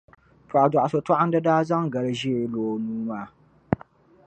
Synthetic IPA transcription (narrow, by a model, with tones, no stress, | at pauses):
pa˨da˨ʔa˨so˨ta˦ʔa˦n˦dɨ˦daː˦za˦ŋ˨ɡa˨lɨ˦ʒi˦ɾloː˨nuː˦maː˦˨